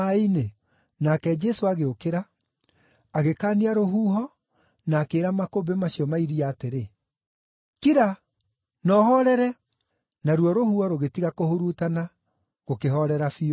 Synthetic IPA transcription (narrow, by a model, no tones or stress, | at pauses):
aine | nakɛd͡ʒɛsoaɣeokeɾaː | ɣekaːniaɾoɦuːɦɔ | naːkeːɾamakobemaɕiɔmaiɾiaːteɾe | kiɾa | nɔːhɔɾɛɾɛ | naɾwɔɾohuɔɾoɣetiɣakohoɾutana | ɣokeɦɔɾɛɾafi